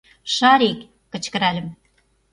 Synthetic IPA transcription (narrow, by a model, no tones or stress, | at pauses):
ʃɑɾikː | ɘ̆t͡ɕkɘ̆ɾælɘ̆m